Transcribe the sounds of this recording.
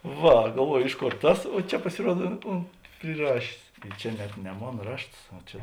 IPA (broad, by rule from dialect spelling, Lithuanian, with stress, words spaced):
ˈʋɐ ɡɐlˠˈʋuɔjʊ ˈɪʃ ˌkoːr ˈtɐs oː ˈt͡ʃʲɛ pɐsʲɪˈruɔt ʊ ˈʊnt pʲrʲɪˈrɑːʃʲeːs ɪ ˈt͡ʃʲɛ nʲɛt nʲɛ ˈmoːn ˈrɐʃts oː ˈt͡ʃʲɛ